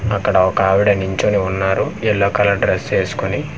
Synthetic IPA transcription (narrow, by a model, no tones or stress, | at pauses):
ɐkːɐɽɐɔkɐaːʋiɽɐniɲt͡ʃoːniunːaːɾuɛɭːɐːkɐlɐɖɾest͡ʃeːsu̥kuni